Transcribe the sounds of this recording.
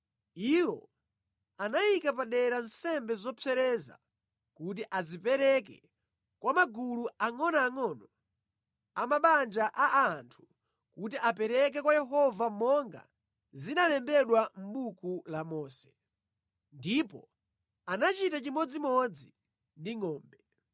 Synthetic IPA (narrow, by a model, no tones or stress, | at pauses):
iwɔ̰ | anajikapaɗɛɾansɛmbɛzɔpʰɛɾɛza̰ | kut̬iʔazipɛɾɛk̬ɛ | kwamaɡuluaŋɔnaːŋɔnɔ | amaɓand͡ʒaʔaʔantʰu̥ | kutiʔapɛɾɛk̬ɛkwajɛɦɔvamɔŋɡa̰ | zinalɛmbɛɗwam̩ɓukulamɔːsɛ̥ | ndipɔ | anat͡ʃitat͡ʃimɔd͡zimɔd͡zi | ndiŋɔːmbɛ